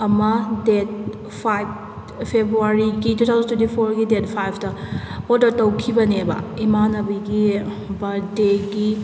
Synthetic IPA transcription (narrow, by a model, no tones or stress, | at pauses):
ɐmɐdet̚ | pʰajb̚ | pʰebɾuaɾiɡitutʰawzɐntʰutipʰoɾɡidet̚pʰajpʰtɐodɐɾtɐwkʰibɐnebɐ̰imanɐbiɡi | bɐdeɡi